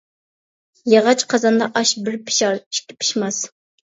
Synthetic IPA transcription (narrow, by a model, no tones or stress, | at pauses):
jeʁɑt͡ʃqʰɑzɑnd̪ɑʔɑʃbɪɾpʰɪ̥ʃɑɾi̥ʃkʲɪ̥pʰi̥ʃmɑs